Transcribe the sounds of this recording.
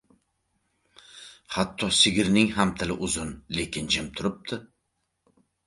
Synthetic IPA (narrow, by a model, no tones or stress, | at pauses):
hat̪ʰːɒsɪɡʲɪɾnɪŋɦamt̪ʰɪlɪʔʊzʊnle̞kʲɪnd͡ʒɪmt̪ʰʊɾɪp̚t̪ʰɪ